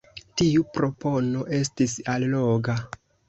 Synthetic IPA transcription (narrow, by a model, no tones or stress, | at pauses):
tiupɾo̞po̞no̞ʔe̞s̬tisalloɡa